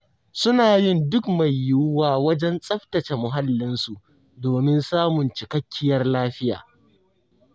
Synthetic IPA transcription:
sʊ˦naː˨jɪ˦ndʊ˦kma˨jːʊ˦waː˦wɐ˦d͡ʒɛ˦nsʼɐ˦ɸtɐ˨t͡ʃe˨mʊ˨ɦa˦lːɪ˦nsu˨ʔ | doː˨mɪ˦nsaː˦mʊ˨nt͡ʃɪ˨kɐ˦kʲːɪ˦jɐ˦rlaː˦ɸɪ˦ja̰ː˨

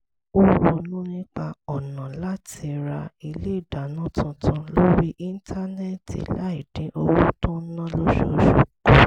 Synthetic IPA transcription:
o˦wo˧nũ˦nĩ˦k͡pa˧ɔ˨nã˨la˦tʰi˧ɾa˧i˧le˦i˦˨da˨nũ˦tʰũ˧tʰũ˧lo˦ɾi˦ʔi˦n˦tʰa˦nɛ˦tḭ˨la˨˦i˨dĩ˨˦ʔo˧wu˦tũ˦nã˦lo˦ʃo˧˨ʃo˨ko˦

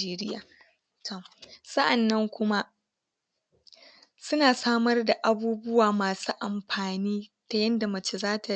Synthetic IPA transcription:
eː˦ɾɪ˦jaː˨ | ta˦˨sɐ˦ʔa˨nːɐ˦ŋkʷʊ˦ma˦ | sʊ˦naː˨saː˦mɐ˦rda˨ʔa˨buː˦bʊ˦waː˨maː˨su˦ʔa˨mɸaː˨niː˦ta˨jɐ˦nda˨mɐ˨t͡ʃe˨zaː˦tʰa˨

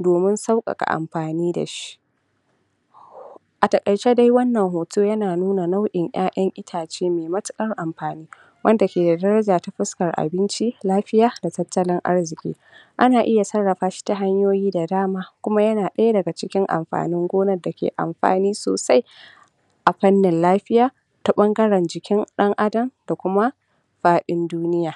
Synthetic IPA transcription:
doː˨mɪ˦nsa˦wkʼɐ̰˨kʼa̰˨ʔa̰˨mɸaː˨niː˦da̰˨ʃi̥˦ʔ | ʔa˨tɐ˨kʼɐ˨jt͡ʃeː˦da˦jwɐ˦nːɐ˨ŋɦoː˨tʰoː˦jɐ˦naː˨nuː˦na˨na˦wʔɪ˨ŋʔj̰aː˦ʔɐ˦ŋʔɪ˦tʰaː˨t͡ʃeː˦meː˨mɐ˦tʊ̥˦kʼɐ˦rʔa˨mɸaː˨niː˦ | wɐ˦nda˨kʲeː˨da˨dɐ˦ɾɐ˦d͡ʒaː˨ta˦ɸɪ˦skɐ˨rʔa̰˨bɪ˦nt͡ʃi˦laː˦ɸɪ˦jaː˨˦da˨tɐ˦tʰːɐ˦lɪ˦ŋʔa̰˦rzɪ˨kʲʼḭː˦ | ʔa˦naː˨ʔɪ˦ja˨sɐ˦rːɐ˨ɸaː˦ʃi̥˦ta˦ɦa˦ɲjoː˦jiː˦da˨daː˦maː˦kʷʊ˦ma˦jɐ˦naː˨ɗɐ˦ja˦dɐ˨ɡa˨t͡ʃɪ˦kʲɪ˦ŋʔa̰˨mɸa̰ː˨nɪ˦ŋɡʷoː˦nɐ˨da˨kʲḛː˨ʔa̰˨mɸa̰ː˨niː˦so̰ː˨sa˦j | ʔa˨ɸɐ˦nːɪ˨nlaː˦ɸɪ˦jaː˨ | ta˦ɓɐ˦ŋɡɐ˦ɾɐ˨nd͡ʒɪ˨kʲɪ˦ŋɗɐ˦ŋʔa˦dɐ˨mda˨kʷʊ˦ma˦ | ɸaː˦ɗɪ˦nduː˦nɪ˦jaː˨

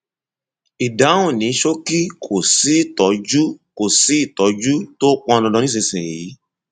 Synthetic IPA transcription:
i˨da˨˦wũ˦˨nĩ˨˦ʃo˦ki˦kʰo˦˨si˨˦i˦˨tɔ˨˦d͡ʒu˦ko˨si˨˦i˦˨tɔ˨˦d͡ʒu˦to˦k͡pɔ̃˧lɔ̃˧dɔ̃˧nĩ˦s̬ĩ˧sĩ˨ji˨˦

